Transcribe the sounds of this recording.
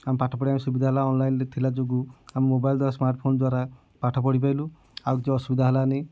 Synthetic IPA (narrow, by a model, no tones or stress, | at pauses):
amipaʈʰɔpɔɽiamisubid̪ʱaɦalaɔnlajnɾet̪ʰilad͡ʒoɡuamimobajld̪waɾasmaɾʈpʰond̪waɾa | paʈʰɔp̬ɔɽip̬ajlu | awkit͡ʃeɔsubid̪ʱaɦalane